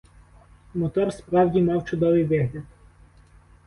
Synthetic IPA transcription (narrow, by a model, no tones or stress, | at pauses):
mɔt̪ɔrspɾɑwdʲimɑwt͡ʃʊd̪ɔʋɪjʋɪɦlʲɐd̪̚